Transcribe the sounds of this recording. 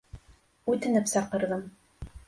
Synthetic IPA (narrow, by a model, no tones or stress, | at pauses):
ʉt̪ɘ̆nɘpsɑqɤ̆ɾðɤm